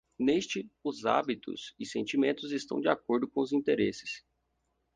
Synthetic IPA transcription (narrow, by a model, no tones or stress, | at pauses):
nest͡ʃɪʊza̰bit̪ʊ̰sɪsẽnt͡ʃimẽnt̪ʊzɪst̪ɐ̰̃w̃d͡ʒɪakoɾd̪ʊkõʊzĩnt̪eɾesɪ̥s